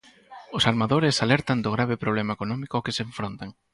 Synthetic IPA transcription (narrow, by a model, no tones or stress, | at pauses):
ʊsaɾmaðoɾɪsalɛɾt̪and̪oɣɾaβ̞epɾoβ̞lɛmaekonɔmikʊkɪseɱfɾont̪aŋ